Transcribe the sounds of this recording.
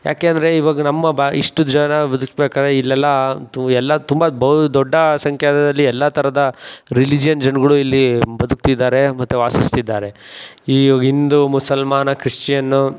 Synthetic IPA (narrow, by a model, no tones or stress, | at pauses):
ja̰ːkeːnd̪ɐɾe̞iʋaːɡɐnɐmːɐbiʂʈud͡ʒɐnɐbɐd̪ukbeːkaːd̪ɾeilːɛlːɐɛlːɐt̪umbɐbɐd̪ɔɖːɐsɐŋkʰjaːd̪ɐd̪ɐlːiɛlːɐt̪ʰɐɾɐd̪ɐɾilid͡ʒijɐnd͡ʒɐnɡɐɭuilːibɐd̪uk̚t̪id̪ːaːɾe̞mɐt̪ːuaːsist̪id̪ːaːɾe̞iːɐɡind̪umusɐlmaːnɐkɾiʂt͡ʃijɐnːu